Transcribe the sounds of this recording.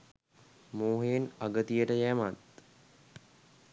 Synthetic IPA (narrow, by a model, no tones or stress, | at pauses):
moːɦeenaɡət̪ijəʈəjæmat̪̚